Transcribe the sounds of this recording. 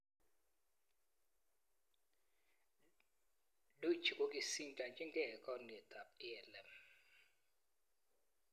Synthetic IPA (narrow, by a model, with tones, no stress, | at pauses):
lu˦t͡ʃʰi˨kʼo˨kʼi˨si˦nt͡ʃʼa˨nt͡ʃʼɛ˦ŋɡʱɛ˨kʼɔ˦nɛ˨t̪ʼa˨pi˦ɛ˨lɛ˨m